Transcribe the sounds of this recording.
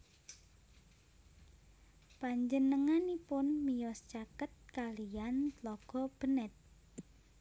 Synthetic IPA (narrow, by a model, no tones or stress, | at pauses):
paɲd͡ʒənəŋanipʊnmijɔst͡ʃakət̪̚kalijant̪lɔɡ̥ɔ̤b̥ənɛt̪̚